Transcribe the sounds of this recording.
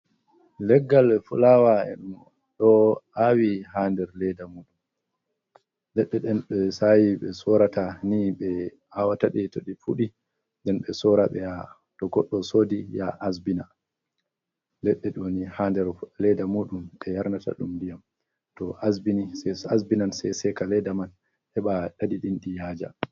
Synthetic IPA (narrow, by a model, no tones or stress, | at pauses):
lɛɡːalfulawaɛ̰ɗum | ɗɔʔawihandɛɾlɛdamuːɗum | lɛɗːɛɗɛnɓɛsajiɓɛsɔɾataniɓɛ | hawataɗɛtoɗifuɗi | ndɛnɓɛsɔːɾaɓɛja | tɔɡɔɗːɔsoːdijaʔasbina | lɛɗːɛɗɔnihandɛɾlɛdamuɗumʔɛjaɾnata̰ɗumdijam | tɔʔasbinisɛasbinansɛjsɛkalɛdaman | hɛɓaɗadiɗinɗijaːd͡ʒa̰